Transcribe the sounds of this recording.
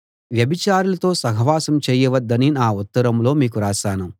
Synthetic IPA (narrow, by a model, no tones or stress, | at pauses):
ʋjɐbit͡ʃaːɾulɐt̪o̞ːsɐɦɐʋaːsɐmt͡ʃeːjɐʋɐd̪ːɐninaːut̪ːɐɾɐmlo̞ːmiːk̬uɾaːsaːnu